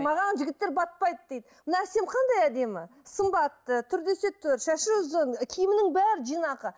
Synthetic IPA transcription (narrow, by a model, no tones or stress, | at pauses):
mɑʁɑnʒɪɡʲɪt̪ːe̞ɾbɑt̪̚pɑjd̪əd̪̥e̞jd̪əmmənɑæse̞mqʰɑnd̪ɑjæd̪e̞mɪsəmbɑt̪ːət̪ʰʏɾd̪e̞se̞t̪ʰːʏɾʃæʃɪʊzənkʲʰijɪmɪnɪŋbæɾɪʒijnɑqə